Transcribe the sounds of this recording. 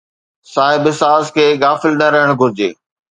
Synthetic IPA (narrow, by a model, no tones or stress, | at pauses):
saːɦɪbɪsaːzkʰeːɡaːfɪlnɐɾɐɦəɽ̃ɡʱʊɾɪd͡ʑḛː